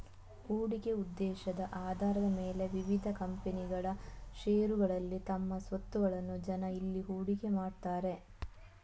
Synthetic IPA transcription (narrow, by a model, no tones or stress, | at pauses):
huːɽike̞ud̪ːɛːʃɐd̪ɐʔaːd̪ʱaːɾɐd̪ɐme̞ːle̞ʋiʋid̪ʱɐkɐmpeniɡɐɭɐʃeːɾuɡɐɭɐlːit̪ɐmːɐsʋɐt̪ːuʋɐɭɐnːud͡ʒɐnɐilːiɦuːɽike̞maːɽt̪aːɾe̞